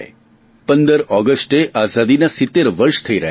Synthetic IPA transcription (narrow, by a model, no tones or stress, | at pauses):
pənd̪əɾɔɡəsʈeʔazad̪inasɪt̪ːeɾʋəɾʃt̪ʰəiɾəɦ